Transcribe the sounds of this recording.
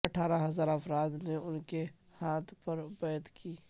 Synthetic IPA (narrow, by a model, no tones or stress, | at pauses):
ɐʈʰaːɾaɦɐzaːɾəfɾaːd̪neʊnke | haːt̪ʰpɐɾbɐjət̪kiː